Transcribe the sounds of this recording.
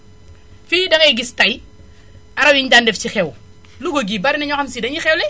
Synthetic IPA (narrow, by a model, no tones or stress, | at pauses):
fidɐkɛɡistɐj | aɾɐwiɲdandɛft͡ʃixɛw | luɡoɡibaɾinɐɲɔxɐmsidɐɲixɛwlɛ